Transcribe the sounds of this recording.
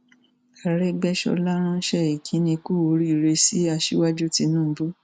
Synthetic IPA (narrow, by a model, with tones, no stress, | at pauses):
a˨ɾɛ˦ɡ͡bɛ˦ʃɔ̰˧la˦ɾ̃ã˦ʃɛ˦˨i˨kʰĩ˨˦nĩ˧ku˦o˧˦ɾi˦˨ɾe˧si˦a˧ʃi˦wa˦d͡ʒu˦ti˧nũ˦bu˦